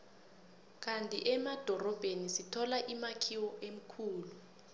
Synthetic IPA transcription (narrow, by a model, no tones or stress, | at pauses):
k̬ʼantʼiʔɛmad̥ʱɔrɔb̥ʱenisitʰɔlaʔimakʰiwɔʔem̩kʰuːlu